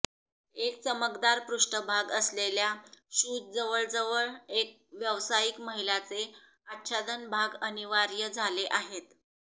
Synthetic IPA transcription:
ek̚t͡səməɡd̪aɾpɾuʂʈəbʱaɡəsleljaɕud̪̚d͡zəʋəɭd͡zəʋəɭek̚ʋjəʋsajikməɦilat͡se | at̪ːɕad̪ənbʱaɡəniʋaɾjəd͡zʱaleʔaɦet̪

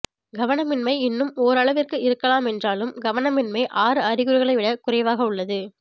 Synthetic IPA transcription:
ɡɐʋɐnɐmɪnmɐɪɪnːɯmoːɾɐɭɐʋɪrkɯɪɾɯkːɐlaːmɛndraːlɯmɡɐʋɐnɐmɪnmɐɪʔaːɾɯɐɾɪɣɯɾɯɣɐɭɐɪʋɪɽɐkʊrɐɪʋaːɣɐʊɭːɐðɯ

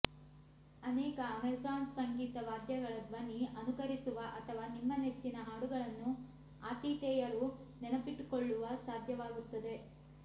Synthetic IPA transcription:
ɐnɛːkɐːmeɾsaːnsɐŋɡiːt̪ɐʋaːd̪ʱjɐɡɐɭɐd̪ʋɐniɐnukɐɾisuʋɐʔɐt̪ʰɐʋaːnimːɐnet͡ʃːinɐaːɽuɡɐɭɐnːu | aːt̪iːt̪ɛːjɐɾunɛnɐpiʈːkoɭːuʋɐsaːd̪ʱjɐʋaːɡut̪ːɐd̪e̞

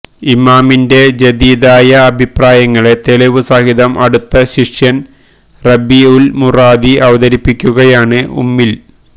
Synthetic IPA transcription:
imaːminde̞d͡ʑed̪iːd̪aːjɐːbʱipraːjɐŋːɐɭe̞t̪elɐʋɨsaːhiðɐmʔɐɽut̪ːɐɕiʂjɐn | rɐbiulmuraːd̪iʔɐʋɐðɐɾipːikʲːuɣɐjaːɳɨṵmːil

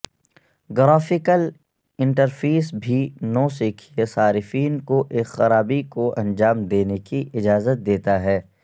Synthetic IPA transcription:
ɡɾaːfɪkəl | ɪ̃ɳʈəɾfeːsbʱinõːsiːkʰiesaːɾɪfiːnkoʔeːxɐɾaːbikoʔɐ̃nd͡ʒaːmd̪eːnekiʔɪd͡ʒaːzət̪̚d̪eːt̪aɦɛː

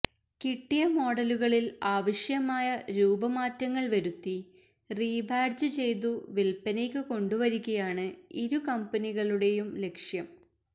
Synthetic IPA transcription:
kiʈːijɐmo̞ːɽɐluɣɐɭilaːʋɐʂjɐmaːjɐɾuːbɐmaːtːɐŋːɐɭʋɐɾut̪ːi | riːbʱaːɖd͡ʑɨt͡ɕe̞jt̪uʋilpɐnekːɨko̞ɳɖuʋɐɾikʲːɐjaːɳɨiɾukɐmpɐniɣɐɭuɽe̞jumle̞kʂjɐm

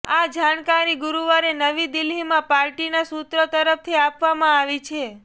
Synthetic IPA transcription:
ad͡ʒankaɾiɡʊɾuʋaɾenəʋid̪ɪlɦimãpaɾʈinasut̪ɾət̪əɾəpt̪ʰiapʋamãaʋit͡ʃʰe

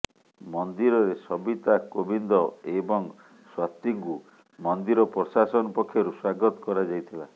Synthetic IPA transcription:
mɔnd̪iɾɔɾesɔbit̪akobind̪ɔebɔŋ | swat̪iŋku | mɔnd̪iɾɔpɾɔsasɔnɔpɔkʰːjɔɾuswaɡɔt̪ɔ̥kɔɾad͡ʒajt̪ʰila

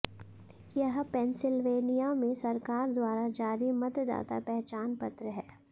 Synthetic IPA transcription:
jɐɦpɛ̃ːnsɪlʋeːnijamẽsɐɾkaːɾd̪waːɾad͡ʒaːɾimɐt̪d̪a̰ːt̪a̰pɛɦt͡ʃaːnpɐt̪ɾəɦɛː

